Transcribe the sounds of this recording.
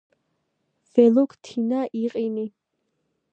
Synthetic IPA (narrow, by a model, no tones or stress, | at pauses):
v̥ɛlukʰt̪ʰinaʔiqʼini